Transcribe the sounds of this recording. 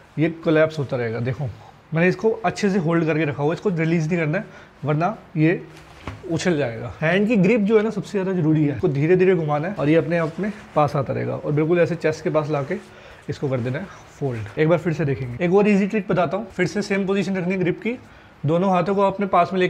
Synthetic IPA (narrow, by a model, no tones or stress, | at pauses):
jekɐlɛːpsɦoːt̪aɾɐɦeːɡad̪eːkʰoː | mɛːneɪskoɐtːʃʰes̬eɦoːlɖkɐɾkeɾɐkʰaɦuaɪskoɾɪliːznĩkɐɾnaɛ | ʋɐɾnaje | ʊt͡ʃʰəld͡ʒaːḛːɡa̰ːɦɛ̃ːɳɖkiɡɾɪpd͡ʒoːɦɛnasɐbsezjaːd̪azɐɾuːɾiɦɛːkod̪ʱiːɾed̪ʱiːɾeɡʊmaːnɦɛɔːɾjeɐpneɐpnepaːsaːt̪aɾɐɦḛːɡa̰ːʔɔ̰ːɾbɪlk̬ʊlɛːset͡ʃɛːskepaːs̬laːke | ɪskokɐɾd̪eːnaɦɛ | foːlɖeːk̚baːɾfɪɾsed̪eːkʰẽːŋɡeeːkbaːɾiːziʈɾiːʈ̚bɐt̪aːt̪aɦũfɪɾseseːmpoːziʃ̬ənɾɐkʰniɡɾɪpki | d̪oːnõɦaːt̪ʰõkoɐpnepaːsmẽleː